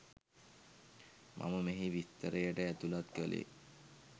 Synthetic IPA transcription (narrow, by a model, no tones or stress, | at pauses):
mʔa̰məmeɦiʋist̪ːəɾəjəʈəæt̪ulat̪̚kəlʔḛ